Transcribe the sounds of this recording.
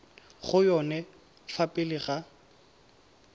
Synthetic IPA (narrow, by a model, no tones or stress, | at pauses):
χʊjɔnɛ | fapʼɪlɪɣa